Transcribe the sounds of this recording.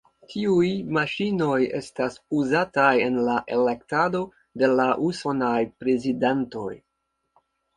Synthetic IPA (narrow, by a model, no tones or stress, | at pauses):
tʰiujmaʃino̞je̞̰stasuzataje̞nlaʔe̞le̞ktado̞ | de̞laʔuso̞najpɾe̞zidento̞̰j